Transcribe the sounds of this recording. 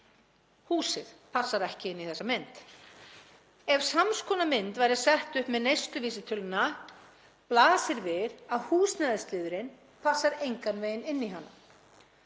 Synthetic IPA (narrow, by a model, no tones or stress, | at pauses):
huːsɪðpʰasːaɾɛhcɪɪnːiθɛsːamɪnt̪ | ɛvsamskʰɔːnamɪnt̪vajɾɪasɛht̪ʏhpmɛðnejst̪lʏviːsɪt̪ʰʏlʏna | plaːsɪɾvɪðaðhuːsnaːðɪst̪lɪːðʏɾɪn | pʰasːaɾejŋkanvejɪnɪnːiɦanːa̰